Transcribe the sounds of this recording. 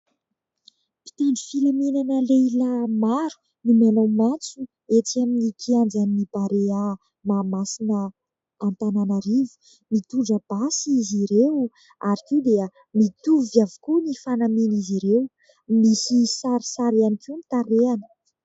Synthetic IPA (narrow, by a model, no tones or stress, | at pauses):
pi̥t̪eɳɖ͡ʐufilaminanəlelamaɾu̥ | nimanowmant͡su | et͡siaminikʰiand͡zaninib̥aɾea | maːmasinəː | nt̪ananaɾivu̥ | mit̪uɳɖ͡ʐəb̥asiziɾew | aɾikid̪eə | mit̪uvjavukunifanaminiziɾew | misisaɾisaɾeanikinit̪aɾeanə̥